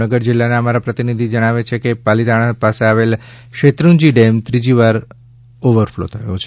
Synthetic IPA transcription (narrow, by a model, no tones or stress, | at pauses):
əɡəɾd͡ʒɪlːaneəmaɾapɾət̪inid̪ʱid͡ʒəɽ̃aʋet͡ʃʰekepalit̪aɽ̃apaseaʋel | ʃet̪ɾund͡ʒiɖemt̪ɾid͡ʒiʋaɾ | oʋəɾflo̰t̪ʰəjo̰t͡ʃʰe